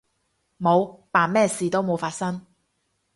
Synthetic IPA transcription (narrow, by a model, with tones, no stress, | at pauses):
mo˨˧wpaː˨nmɛː˥siː˨˩t̪o˥wmo˨˧wfaː˧t̚sɐ˥ŋ